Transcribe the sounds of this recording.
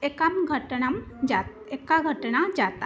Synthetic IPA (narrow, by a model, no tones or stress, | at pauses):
ekɐmɡʱɐʈɐnɐmd͡ʒa | ekːaɡʱɐʈnad͡ʒaːt̪a